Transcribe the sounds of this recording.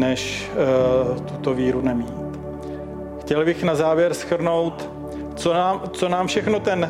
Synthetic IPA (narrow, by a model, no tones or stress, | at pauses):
nɛʃ | t̪ut̪oviːɾunɛmiːt̪ | xcɛlbɪxnazaːvjɛɾsxr̩no̞wt̪ | t͡sonaːmt͡sonaːmfʃɛxnot̪ɛn